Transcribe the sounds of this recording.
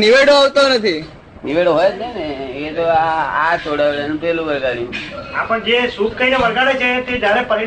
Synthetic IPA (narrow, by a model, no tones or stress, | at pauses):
niʋeɽoaʋt̪onət̪ʰi | niʋeɽoɦojt͡ʃʰneneeet̪oaat͡ʃoɽaʋelenũpelũbəɾɡaɽijũapəɳd͡ʒesukkəineʋəɾɡaɽet͡ʃʰet̪ed͡ʒaɾepəɾi